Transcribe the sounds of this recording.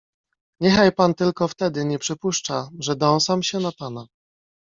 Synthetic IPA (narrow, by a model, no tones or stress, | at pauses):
ɲɛxajpant̪ɘlkɔft̪ɛd̪ɘɲɛpʂɘpuʂt͡ʂaʐɛd̪ɔ̃w̃samɕɛnapana